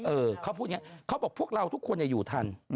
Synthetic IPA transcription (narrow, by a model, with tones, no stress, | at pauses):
ʔɤː˧kʰaː˦˥wpʰuː˥˩t̪̚ŋ˦˥˩kʰa˦˥wbɔː˨˩k̚pʰu˥˩ək̚ɾa˧wt̪ʰu˦˥kʰːu˧ənja˨˩juː˨˩t̪ʰa˧n